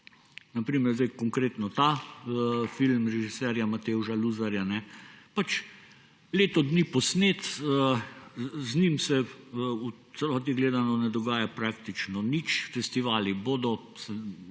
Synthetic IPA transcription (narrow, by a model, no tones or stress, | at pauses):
napɾiːmɛɾzeɪkɔŋkɾeːt̪nɔt̪aəfilmɾɛʒisɛɾjamat̪euʃaluzaɾjanɛpat͡ʃ | leːt̪ɔd̪nipɔsneːt̪ə | znimsɛut̪sɛlɔːt̪̬iɡleːd̪anɔnɛd̪ɔɡaːjapɾakt̪it͡ʃnɔnit͡ʃfɛst̪iʋaːliboːd̪ɔ | sɛ